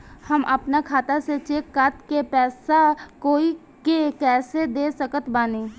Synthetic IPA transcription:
həmʔəpnakʰaːt̪aset͡ʃeːkːaːt̪kepɛːsakoːi | kekɛːsed̪eːsəkət̪baːnẽː

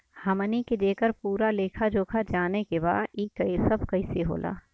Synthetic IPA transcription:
hɐməniked̪eːkəɾpuːɾaleːkʰad͡ʒoːkʰad͡ʒaːnekeba̰ːd̪iːkəisɐbkɐɪseɦo̰ːlʔa̰ː

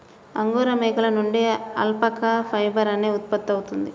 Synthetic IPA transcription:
ɐŋɡoːɾɐmeːkɐlɐnuɳɖeɐ̰lpɐkɐpʰɐjbɐɾɐneːut̪̚pɐt̪ːɐwut̪und̪i

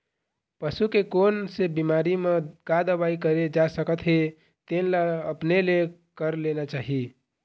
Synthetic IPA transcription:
pəsukekonsebimaɾimẽɡad̪əbaikəɾed͡ʒasəkət̪ɦe | t̪enlaəpnelekəɾlenat͡ʃaɦi

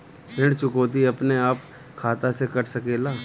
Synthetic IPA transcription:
pɪɽt͡ʃʊkoːt̪iɐpneaːp | kʰaːt̪asekɐʈʰsɐkeːlaː

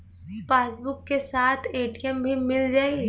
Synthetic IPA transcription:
faːsbʊkːesaːt̪ʰeːʈiɛmbʱimɪld͡ʒaːi

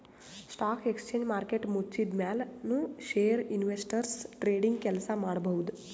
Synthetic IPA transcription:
sʈakʰekst͡ɕeɲd͡ʑmaɾkeʈmut͡ɕid̪mjalnũːɕeɾinʋesʈəɾsʈɾeɽiŋɡkɛlsamaɽbʱəwd̪

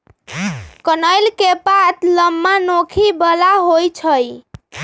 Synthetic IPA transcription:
kənəjlkepat̪ləmːanokʰibəlaɦojt͡ʃʰəj

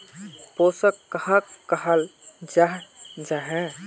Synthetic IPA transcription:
poːsəkːəɦəkkːəɦəld͡ʒaɦd͡ʒaɦɛ̃

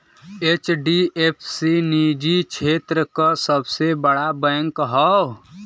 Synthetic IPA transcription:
et͡ʃɖiʔepʰsinid͡ʒit͡ʃʰet̪ɾəkəsəbsebəɽabəŋkɦəw

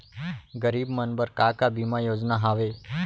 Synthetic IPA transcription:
ɡəɾibmənbəɾkakabimãjod͡ʒnaɦaʋe

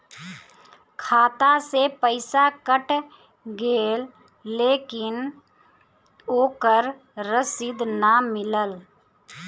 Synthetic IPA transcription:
kʰaːt̪asepəɪsakəʈ | ɡeːlː | eːkɪn | oːkəɾ | ɾəsɪd̪namɪləl

